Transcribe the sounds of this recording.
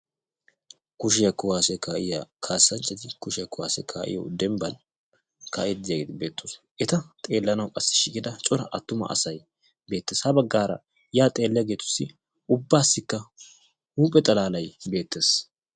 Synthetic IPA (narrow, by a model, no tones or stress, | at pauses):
kʊʃ̬ɪjɐkːʊwaːsɛkaːʔɪja̰kʰaːsːɐnt͡ʃʼːɐt̪ɪkʊʃɪjɐkʊwa̰ːsɛ̰kʰaːʔɪ̰jo̰d̪ɛmbɐn | ka̰ːʔɛd̪ɪjaɡeːd̪ɪbeːt̪ːos | ʔɛt̪ɐt̪ʼe̞ːlːɐnɐwkʼɐsːɪ̥ʃɪkɪd̪ɐt͡ʃʼɔɾɐʔɐt̪ːʊmɐ̰ʔɐ̰sɐj | be̞ːt̪ːeːshɐbɐɡːaːɾɐ̰ | jaːt̪ʼe̞ːlːɛjɐɡeːt̪ʊ̥sːɪ | ʔʊbːaːsːɪkːɐ | huːpʼɛt̪ʼɐlaːlɐjbe̞ːt̪ːe̞ːs